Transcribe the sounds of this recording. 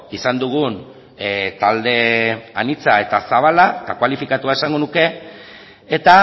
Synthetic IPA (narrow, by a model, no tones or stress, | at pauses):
isand̪uɣ̞un | t̪ald̪e̞anit͡sae̞t̪asaβ̞alat̪akwalifikat̪uae̞saŋɡo̞nuke̞ː | t̪a